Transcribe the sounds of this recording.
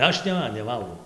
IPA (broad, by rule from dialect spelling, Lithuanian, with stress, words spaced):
ˈɐʃ ˈnʲɛ nʲɛˈʋɐlˠɡɐʊ